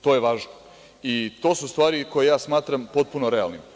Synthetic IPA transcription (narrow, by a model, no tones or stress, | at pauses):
t̪oje̞ʋaːʒno | it̪o̞ːsust̪ʋaːɾiko̞jejaːsmaːt̪ɾampo̞t̪̚punoɾea̰lnim